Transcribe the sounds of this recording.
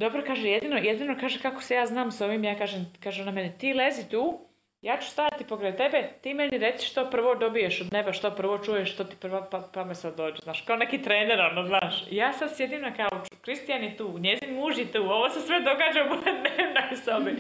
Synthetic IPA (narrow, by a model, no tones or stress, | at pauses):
d̪o̞bɾokaːʒejed̪ino̞jed̪inokaːʒekako̥sejaːznaːmso̞ʋimjaːkaːʒemkaːʒenamenit̪iːlezit̪uː | jaːt͡ʃu̥st̪aːat̪ipokɾet̪e̞be̞t̪iːme̞niɾet̪si̥ʃt̪opr̩ʋod̪o̞bijeʃod̪neʋaʃt̪opr̩ʋot͡ʃujeʃʃt̪ot̪i̥pr̩ʋapapamesad̪ːoːd͡ʒeznaːʃkaonekiːt̪ɾeːneɾonoznaːʃḭjaːsad̪sjed̪imnakaut͡ʃu̥kɾist̪ijanjet̪uːɲezinmuːʒjet̪uːo̞ʋosesʋed̪o̞ɡaːd͡ʒaupoked̪neːʋnaisaoʋim